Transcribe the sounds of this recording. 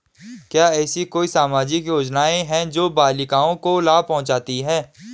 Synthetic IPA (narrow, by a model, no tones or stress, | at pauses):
kjaːɛːsikoːisaːmaːd͡ʒɪkjoːd͡ʒnaːẽɦɛ̃d͡ʒoːbaːlɪkaːõkolaːpɐɦʊ̃nt͡ʃaːt̪iɦɛ̃ː